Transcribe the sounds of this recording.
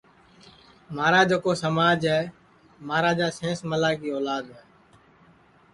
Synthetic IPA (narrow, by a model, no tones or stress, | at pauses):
maːɾaːd͡ʒoːkoːsəmaːd͡ʒɦɛː | maːɾaːd͡ʒaːsẽːsməlaːkiːoːlaːd̪ɦɛː